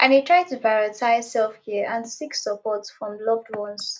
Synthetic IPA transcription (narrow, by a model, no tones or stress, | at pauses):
ʔãnhitʰɹ̥aɪd̚tupɹaɹətʰaɪz̥sɛlˠfkʰɛʔãnsiksəpɔtsfɹɔ̃mlɔklõns